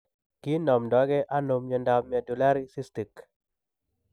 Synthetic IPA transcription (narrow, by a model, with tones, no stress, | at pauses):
ki˦nɔ˨mdɔ˦ɡɛ˦ʔa˦no˨mɲɔ˨nda˨mja˨du˨la˦ɾi˦si˦sti˨k